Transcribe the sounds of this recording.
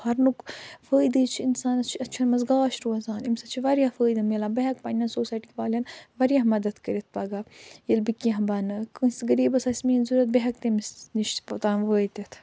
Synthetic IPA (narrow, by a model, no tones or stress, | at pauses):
hɐɾnukfəːjd̪ɨːt͡ʃʰinsaːnɐt͡ʃʰɐt͡ʃʰɐnmɐzɡaːʃɾuːɐzaːnimsɐt͡ʃʰiʋɐɾijafəːjd̪ɐmelabɐɦɐkpɐnʲɐnsoːsaːjʈikʲiʋaːlʲɐnʋɐɾjamɐd̪ɐt̪kəɾit̪ʰpɐɡajilbikɐɦɐbɐnɨkɨsɡɐɾiːbɐsɐsʲmiːnzuɾɐt̪̚beɦɐkt̪emisniʃt̪pɐt̪aːnʋəːjt̪ʲɐt̪ʰ